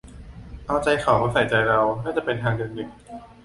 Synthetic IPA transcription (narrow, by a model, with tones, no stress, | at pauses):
ʔa˧wt͡ɕa˧jxʰa˨˩˦wmaː˧˥˩sa˨˩˦jt͡ɕa˧jɾa˧wnaː˥˩t͡ɕa˨˩pe˧nt̪ʰaː˧ŋdɯ˧ndɯ˨˩k̚